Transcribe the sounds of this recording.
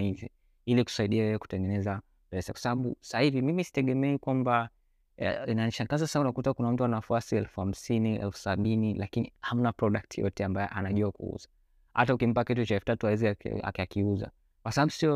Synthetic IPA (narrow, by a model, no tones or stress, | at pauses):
izi | iliku̥saiɗiajɛjɛku̥tɛŋɡɛnɛza | pɛsakwḁsaɓaɓṵsahivimimisi̥tɛɠɛmɛkwamba | inaniʃaŋɡazasaunakutakunam̩tuanafuasiɛlfuham̩siniɛ̰lfu̥saɓinilakiniham̩napɾɔɗak̚tʰijɔ̰tɛambajɛ̰ʔanaʄuakṵṵzḁ | ha̰taukim̩pakit̬ut͡ʃaɛlfutatuawɛzia̰a̰kakiuza̰ | kwasabaɓusiɔ